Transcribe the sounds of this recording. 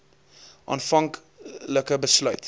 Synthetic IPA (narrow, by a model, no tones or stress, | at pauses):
ʔɑ̰ːnfɐŋk | ləkəbəslœɥt